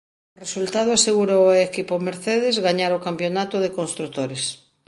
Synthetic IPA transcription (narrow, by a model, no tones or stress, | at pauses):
oresult̪að̞oaseɣuɾoekipomeɾθeðezɣaɲaɾokampjonat̪oðekonst̪ɾut̪oɾes